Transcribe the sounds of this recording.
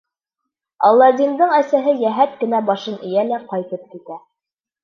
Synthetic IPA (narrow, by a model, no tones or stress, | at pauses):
ɑ̰lˠːɑd̪ind̪ɤɴæsæɦɘjæɦæt̪̚kɘ̆næbɑʃɤnɘ̆jælæqɑjt̪ɤp̚kit̪æ